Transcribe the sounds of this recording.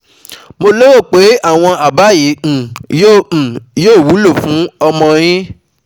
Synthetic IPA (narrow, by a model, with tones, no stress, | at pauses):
mo˧lo˦wo˦˨k͡pe˨˦a˦˨w̃ɔ̃˧a˨ba˨˦jĩ˨˦˨jõ˦˨joː˦˨wu˨˦lo˦˨fũ˨˦ɔ˧mɔ̃˧j̃ĩ˦